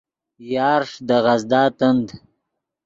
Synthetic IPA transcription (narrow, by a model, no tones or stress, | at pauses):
jɑːɾʂd̪əɣazd̪ɑːt̪ənd̪